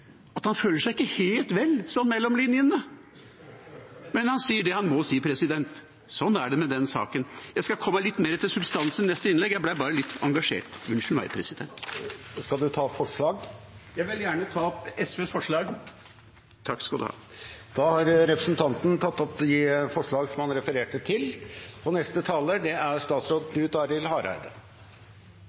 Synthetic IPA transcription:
ɑt̪hɑnføːləʂæɪɪkːəheːlt̪ʋɛlːsɔnmɛlːɔmlinjənə | mɛnhɑnsiːəɖɛhɑnmɔsiːəpʰɾɛsɪd̪ɛnt̪ | sɔnːæɖɛmɛd̪ɛnsɑ̰ːkənjæɪskɑkʰɔmːəlɪt̪ːmeːɾət̪ɪlsʉbst̪ɑnsənnɛst̪əɪnlɛɡːjæɪblæbɑːɾəlɪt̪ʰːɑŋɡɑʂḛːʈʋʉnʂɳ̩ʋæ̰ɪpʰɾɛsɪd̪ɛ̰nt̪skɑld̪ʉt̪ʰɑːfɔʂɭɑːɡjæɪʋɪljæːɳət̪ʰɑːɔpɛsʋeːsfɔʂɭɑːɡ | t̪ʰɑkːskɑd̪hɑ̰ | d̪̥ɑhɑɾɾɛpɾəsnt̪ʰɑnt̪n̩t̪ʰɑt̪ːɔpj̪ifɔʂɭɑːɡsɔmhɑnɾɛfəɾeːʈət̪ʰɪlɔnɛst̪ət̪ʰɑːləɖ̪ɛæɾʂt̪ɑːt̪sɾoːd̪d̪ʉt̪ʰɑːɾɪlhɑːɾæ̰ɾd̪ə

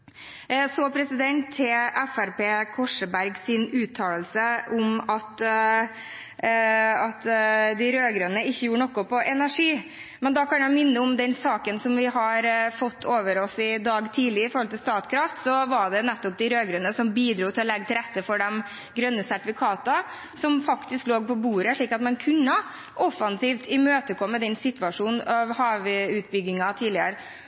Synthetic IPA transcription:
soːpʰɾɛsɪd̪ɛnt̪ʰːɪʔɛfæɾpeːkʰɔʂəbæɾɡsɪnʉːt̪ʰːɑːləlsəʔʊmɑt̪ | ɑt̪d̪ɪɾøːɡɾœnəɪçːəjuːɾəɳnɔkʊpɔʔɛnæʂiː | mɛnd̪ɑkʰɑnjæɪmɪnːəʊmd̪ɛnsɑːkənsɔmʋɪɦɑɾfɔt̪ʰːoːʋəɾɔsɪd̪ɑːɡt̪ʰiːlɪəɾɪfɔɾhɔlt̪ɪlst̪ɑːt̪kʰɾɑft̪sɔʋɑɖɛnɛt̪ːɔp̚d̪ɪɾøːɡɾœnəsɔmbiːd̪ɾuːt̪ʰɪlɔlɛɡːət̪ʰɪlɾɛt̪ːəfɔɖɛm | ɡɾœnːəsæʈɪfɪkʰɑːt̪ɑ | sɔmfɑkt̪ɪskloːɡ̚pʰɔbuːɾəʂɭiːkɑt̪mɛnkʰʉnːə | ʔɔfɑnsiːft̪ʰɪmøːt̪əkʰɔmːəd̪ɛnsɪt̪ʋɑʂuːnɑʋhɑːʋʉːt̪̚bʏɡːɪŋɑt̪ʰiːdlɪəɾə

